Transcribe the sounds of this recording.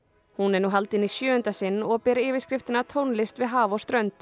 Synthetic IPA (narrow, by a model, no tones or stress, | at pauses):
hunɛnuɦalt̪ɪnisjœːʏnt̪asɪnːɔɣpɛːɾɪːvɪskɾɪft̪ɪnat̪ʰownlɪst̪vɪðɦaːvɔst̪ɾœɥnt̪